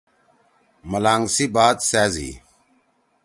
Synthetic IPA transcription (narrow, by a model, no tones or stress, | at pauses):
məlaːŋɡsiːbaːd̪sɛːzḭː